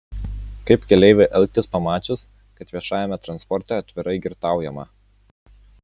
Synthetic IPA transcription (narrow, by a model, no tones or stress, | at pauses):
kɐɪpkʲɛlʲɛɪʋʲeʔɛlʲˠk̚t̪ʲɪspɐmɑːt͡ʃʲʊs | kɐt̪ʋʲiɛʃɑːjɛmʲɛt̪ɾɐnspɔɾʲt̪ʲɛɐt̪ʲʋʲɪɾɐɪɡʲɪɾt̪ɑˑʊjɛmɐ̰